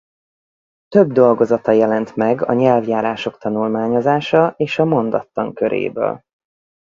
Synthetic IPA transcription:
t̪ø̞bd̪o̞lɡo̞zɒt̪ɒjɛlɛnt̪mɛɡɒ̰ɲɛlvjaːɾaːʃo̞kt̪ɒnulmaːɲo̞zaːʃɒeːʃɒmo̞nd̪ɒt̪lɒŋkø̞ɾʔḛːbø̰ːl

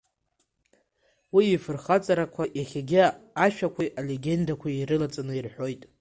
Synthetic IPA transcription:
wiːfɨrχat͡sʼaɾakʷʰaʔjaχʲaɡʲɪaʃᶣakʷʰajʔale̞ɡʲe̞ndakʷʰaiɾɨlat͡sʼanɨirħʷᶣo̞jtʼ

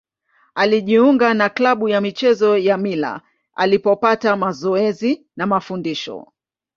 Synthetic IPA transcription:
aliʄiuŋɡanaklaɓujamit͡ʃɛzɔjamila̰ | a̰lipɔpatamazɔɛzi | namafundiʃɔ̰

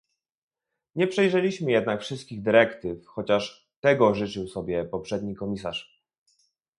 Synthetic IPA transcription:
ɲɛpʂɛjʐɛlʲiɕmɘjɛd̪nakfʂɘst̪̚kʲiɣd̪ɘɾɛkt̪ɘfxɔt͡ɕaʂ | t̪ɛɡɔʐɘt͡ʂɘwsɔbʲjɛpɔpʂɛd̪ɲikɔmʲisa̰ʂ

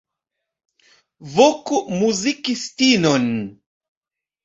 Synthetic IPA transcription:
vokumuzikistinɔn

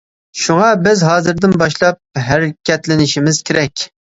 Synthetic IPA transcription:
ʃuʁɑbɪzɦɑːzɨɾd̪ɪnbɑʃlˠɑp̚ɦæɾɪkʲʰɛt̪lɪnɪʃimɪz̥kʲʰeɾɛkʲ

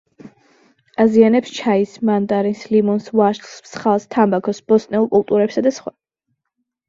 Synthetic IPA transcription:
azianɛpst͡ʃʰaismand̪aɾinslimɔnsvaʃt̪smsχalˠst̪ʰambakʰɔsb̥ɔsnɛulˠkʼulˠt̪ʼuɾɛpsad̪asχwa

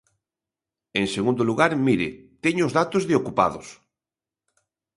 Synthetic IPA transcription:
ẽŋseɣũnd̪oluɣaɾmiɾɪt̪eɲʊʊzðat̪ozðeokupa̰ðʊs

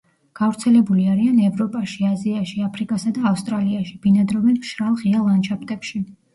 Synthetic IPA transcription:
ɡ̥avɾt̪sʰɛlɛbuliaɾianɛvɾɔpʼaʃiaziaʃiapʰɾikʼasad̪aːfst̪ʼɾaliaʃib̥inad̪ɾɔvɛnʃɾalˠʁialˠant͡ʃʰapʰt̪ʼɛpʃi

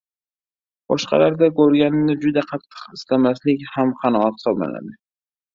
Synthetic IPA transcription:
b̥ɒʃqɑ̰laɾd̪akɵɾɡʲanɪnɪd͡ʒʊd̪aqʰɑt̪ʰːɨ̥qɪslamaslɪkʲhamqʰɑnɒat̪χsɒbma̰la̰d̪ɪ

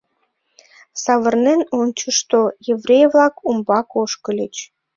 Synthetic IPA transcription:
sɑβərnenonʲt͡ɕəʃt̪ojevrʲejvlɑkumbɑkoʃkəlʲət͡ɕ

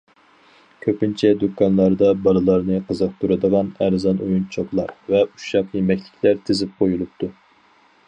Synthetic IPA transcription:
kʲʰøpint͡ʃʰɛd̪ukʰːɑnlˠɑɾd̪ɑbɑlˠɨlˠɑɾnɨqʰəzəq̚t̪ʰuɾɨd̪əʁɑnæɾzɑnojunt͡ʃʰoplˠɑ̰ɾvɛuʃjɑqˠɨjmɛkʲlʰɪ̥kʲʰlæɾt̪ʰɪzɪp̚qʰojulˠup̚t̪ʰu

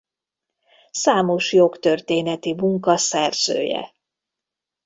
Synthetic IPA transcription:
saːmo̞ʃjo̞kt̪ørt̪eːnɛt̪imuŋkɒsɛrz̥ø̰ːjɛ̰

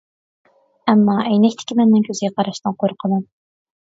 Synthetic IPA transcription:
ɛmːɑʔɛjnɛkʲt̪ʰɪ̥kʲɪmɛnːɪŋkʲʰøzɪɡʲɛqʰɑɾɑʃnɨŋqʰoɾqʰənɨn

